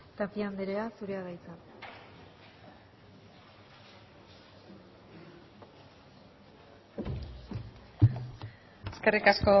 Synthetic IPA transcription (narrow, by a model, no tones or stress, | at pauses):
t̪apiand̪eɾeasuɾeaðajt͡sa | eske̞rikasko